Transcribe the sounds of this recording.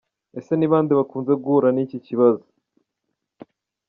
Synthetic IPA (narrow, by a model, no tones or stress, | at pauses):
e̞se̞niβaːndiβakuːnze̞ɡuɾaniciciβazo